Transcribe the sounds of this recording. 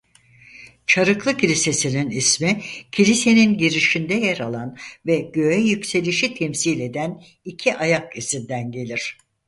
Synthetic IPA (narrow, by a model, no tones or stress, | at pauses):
t͡ʃʰaɾɯklˠɯcʰilʲise̞sininismicʰilʲise̞ninɟiɾiʃind̪ɛjeɾalˠanvɛɟø̞jɛjycse̞lʲiʃit̪ʰɛmsilʲe̞d̪æn | icʰiʔajakisind̪ænɟe̞lʲiɾ̥